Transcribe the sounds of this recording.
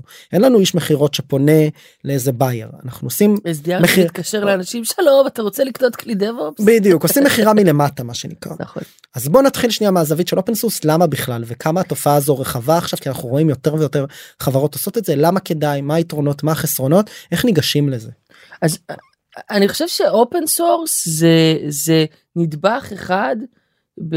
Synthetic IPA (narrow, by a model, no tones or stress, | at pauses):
ʔenlanuiʃme̞χiʁo̞tʃepo̞ne̞ | leezebajḛʁa̰naχnuosimes̬d̪iameiit̪kaʃeʁleanaʃimʃelovataʁot͡seliknot̪klid̪evolpbid̪ijukosimeχiʁamile̞matamaʃenḭkʁa̰naχon | azbo̞nat̪χilʃniamaːzavitʃeʔopensuslamabiχlalvekʰamaato̞faaːzo̞ʁeχavaːχʃav̥kianaχnuʁo̞imjo̞te̞ʁvejo̞te̞ʁχavaʁotoso̞t̪etze̞lamake̞dajmaitʁo̞no̞tmaːχesʁo̞no̞te̞χniɡaʃimle̞ze | az | aniχoʃevʃe̞ʔo̞pensuʁszeze | nid̪baχeχad | b